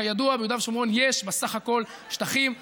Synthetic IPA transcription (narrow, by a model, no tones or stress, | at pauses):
ajaduabejud̪avʃimʁonjeʃbesaχako̞l | ʃtaχim